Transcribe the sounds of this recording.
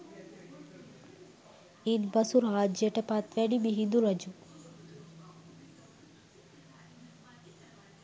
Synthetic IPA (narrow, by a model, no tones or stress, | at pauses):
id̪bɐsuɾɦaːd͡ʒeʈepat̪ʋeɖibiɦid̪uɾɐd͡ʒu